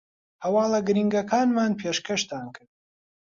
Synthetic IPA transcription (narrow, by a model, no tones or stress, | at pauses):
hɐwɑːlˠɐɡɨɾiŋɡɐkʰaːnmaːnpʰeːʃkʰɐʃt̪ʰaːnkʰɨɾd̪